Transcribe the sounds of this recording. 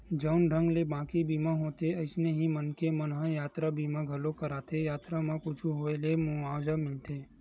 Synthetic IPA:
d͡ʒəʊnɖʱə̃ŋɡlebãːkibiːmãɦoːt̪eəɪsneɦimənkemənɦãjaːt̪ɾabiːmãɡʱəlokəɾaːt̪ejaːt̪ɾamãkʊt͡ʃʰuɦoːelemʊaːd͡ʒamɪlt̪eː

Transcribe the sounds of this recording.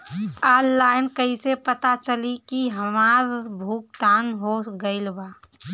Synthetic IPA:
aːlːaːɪnkəisepət̪at͡ʃəlikiɦəmaːɾbʱukt̪aːnɦoɡəɪlbaː

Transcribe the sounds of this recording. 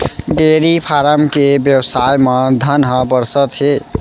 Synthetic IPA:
ɖeɾipʰaɾəmkebjəwsajməd̪ʱənɦə̃bəɾsət̪ɦe

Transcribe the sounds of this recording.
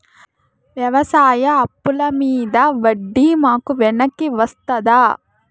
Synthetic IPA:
ʋjɐʋɐsaːjɐːpːulɐmiːd̪ɐʋɐɖːimaːkuʋɛɳɐkːiʋɐst̪ɐd̪a

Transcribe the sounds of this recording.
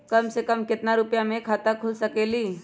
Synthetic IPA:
kɐmsekəmkɪt̪naɾʊpjamẽkʰaːt̪akʰʊlsɐkeːliː

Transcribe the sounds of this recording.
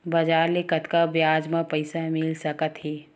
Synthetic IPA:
bɐd͡ʒaːɾlekət̪kabjaːd͡ʒmãpɐɪsamɪlsɐkət̪ɦiː

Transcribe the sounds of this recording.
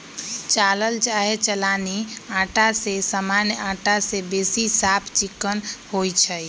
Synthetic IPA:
t͡ʃaːləlt͡ʃaːɦet͡ʃəlaːniãːʈasesaːmaːnjəãːʈasebeːsisaːpʰt͡ʃikːənhoːit͡ʃʰɛ

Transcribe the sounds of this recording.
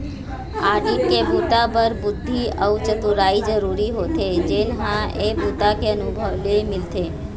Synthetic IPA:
aːɖip̚kebʱut̪apəɾbʊd̪ʱːiəʋt͡ʃət̪uɾaid͡ʒəɾuɾiɦot̪ʰed͡ʒenɦãebʱut̪akeənubʱəʋlemɪlt̪e

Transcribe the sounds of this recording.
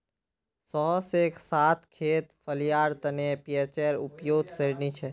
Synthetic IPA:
sɔɦsekʰsat̪ʰkʰet̪pʰəlijaɾt̪ənepijət͡ʃəɾupjoɡ̪səɾnit͡ʃʰɛ

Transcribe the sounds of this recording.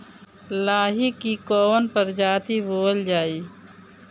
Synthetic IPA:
laːɦikːikoːnpəɾd͡ʒaːt̪iboːld͡ʒaːiː

